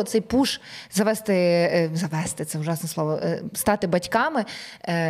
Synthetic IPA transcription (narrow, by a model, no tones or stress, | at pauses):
ɔt̪sɛjpuʃzɐʋɛst̪ɪzɐʋɛst̪ɪt̪sɛʊʒɑsnɔsˠɔʋɔst̪ɑt̪ɪbɐtʲkɑmɪ